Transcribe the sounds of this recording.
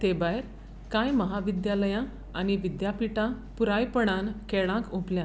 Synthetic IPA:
t̪ebajɾ | kajməɦaʋid̪jaləjã | añiʋid̪japiʈã | puɾajpəɽ̃ãnkeɭãkõpljã

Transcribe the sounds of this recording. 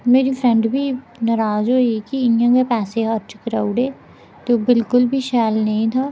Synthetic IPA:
meːɾipʰɾɛ̃ɳɖbʱiː | nəɾaːzɦoːikiɪnjãːkeːpɛːseɦəɾt͡ʃkəɾaːuɽeː | t̪oːbɪlkʊlbʱiːʃaːlnəɦĩːt̪ʰaː

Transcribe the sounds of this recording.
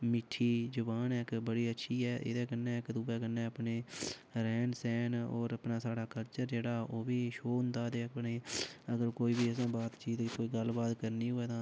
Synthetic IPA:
mɪʈʰːiːd͡ʒʊbaːnɛːkbəɽiːətːʃʰiːɛːʔɪ̰d̪ɛːkənːɛːɪkd̪ʊbɛːkənːẽːəpneː | ɾɛːnsɛːno̰ːɾəpnaːsaːɽaːkəlt͡ʃəɾd͡ʒeːɽaːoːbiːʃoːʊnd̪aːd̪eːəpneːəɡəɾkoːiːbiːəs̬ãːbaːt̪t͡ʃiːt̪koːiːɡəlbaːt̪kəɾniːɦoɛːt̪ãː

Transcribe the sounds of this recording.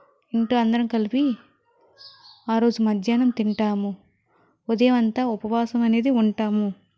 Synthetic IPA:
iɳʈoːɐnd̪ɐɾɐmkɐlipi | aːɾo̞ːd͡ʒumɐd̪ʱjaːnɐmt̪iɳʈaːmu | od̪ejmɐnt̪aːupɐʋaːsɐmɐne̞ːd̪iuɳʈaːmu

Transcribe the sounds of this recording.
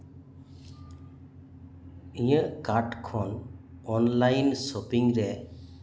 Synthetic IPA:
ijəʔkaɾʈkʰɔnɔnlajnsɔpiŋɾɛ

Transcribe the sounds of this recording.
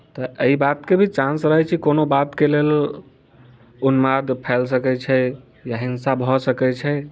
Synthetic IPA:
t̪ɔʔəibat̪kebʱit͡ʃãnsɾəɦɛt͡ʃʰikonobat̪kelel | unmad̪pʰɛls̬əkɛt͡ʃʰɛ | jaɦinsabʱɔsəkɛt͡ʃʰɛ

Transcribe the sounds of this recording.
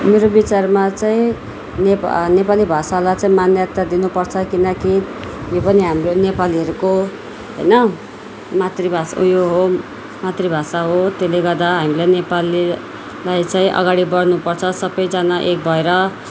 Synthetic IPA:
meɾobit͡sarmat͡saĩ | nepnepalibʱasalat͡sãĩmanjat̪ːad̪inupʌrt͡sʰʌkinʌkijopʌniɦamronepaliɦʌɾuko | ɦʌ̰jnʌ | mat̪ribʱasujoɦo | mat̪ribʱasaɦot̪eleɡʌrd̪aɦamilajnepali | lajt͡saĩʔʌ̰ɡaɽibʌɽnupʌrt͡sʰʌsʌbʌjd͡zanaʔek̚bʱʌeɾʌ

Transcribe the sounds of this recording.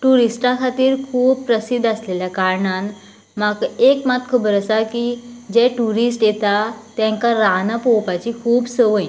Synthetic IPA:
ʈuɾisʈãkʰat̪iːɾkʰuːb̚pɾəsid̪əsleljakaɾɳan | makekmat̪̚kʰuːbəɾəsakid͡ʑɛʈuɾisʈjet̪at̪ɛ̃ŋkãɾanapowpat͡ɕikʰuːbsəʋəj

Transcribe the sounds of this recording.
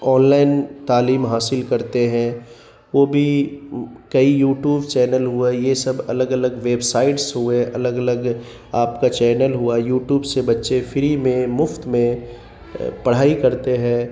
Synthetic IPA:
ɔːnlaːɪnt̪aːliːmɦaːsɪlkɐɾt̪eɦɛ̃ | ʋoːbʱi | kɐijuːʈjuːbt͡ʃɛːnəlɦuajesɐbɐ̰ləɡɐləɡʋeːbsaːɪʈsɦueʔɐləɡɐləɡ | aːpkat͡ʃɛːnəlɦuajuːʈjuːbsebɐtːʃefʰɪɾimẽmʊft̪mẽ | pɐɽ̤aːikɐɾt̪eɦɛ̃

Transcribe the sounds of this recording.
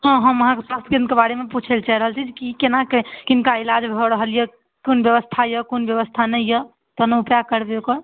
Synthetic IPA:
ɦɔ̃ɦəməɦãkeswast̪ʰkinkebaɾemeput͡ʃʰelt͡ʃaɾəɦəlt͡ʃʰid͡ʒkikenakekinkailad͡ʒbʱɔɾəɦəljə | konbjəβəst̪ʰajəkonbjəβəst̪ʰanəɪjə | t̪ɔnəupjakəɾbeokəɾ

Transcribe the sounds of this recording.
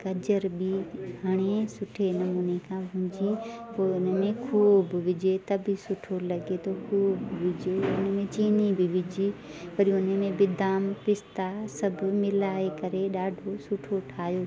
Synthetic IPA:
kɐd͡ʒəɾbiɦɐɽ̃esʊʈʰenɐmuːnekʰãbʱʊ̃ːd͡ʒipoːʊnmẽkʰuːbʋɪd͡ʒet̪ɐbʱisʊʈʰolɐɡet̪ʰokʰuːbʋɪd͡ʒeʊnmẽt͡ʃiːnibʱɪʋɪd͡ʒi | pɐɾiʊnəmẽbɪd̪aːmpɪst̪asɐbʱmɪlaːekɐɾeɗaːɖʱosʊʈʰoʈʰaːjo

